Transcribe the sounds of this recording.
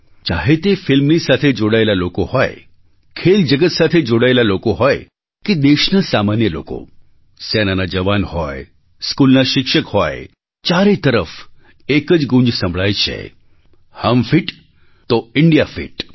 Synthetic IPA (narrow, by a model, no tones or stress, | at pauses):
t͡ʃaɦet̪efilmnisat̪ʰed͡ʒoɽaelalokohɔj | kʰeld͡ʒəɡət̪sat̪ʰed͡ʒoɽaelalokoɦɔj | ked̪eʃnəsamanjəlo̰ko̰ | sɛnanad͡ʒəʋanhɔj | skulnaʃɪkʃəkhɔj | t͡ʃaɾet̪əɾəf | ekəd͡ʒɡũɲd͡ʒsə̃mbʱɭajt͡ʃʰḛ | həmfiʈ | t̪oɪɳɖijafḭʈ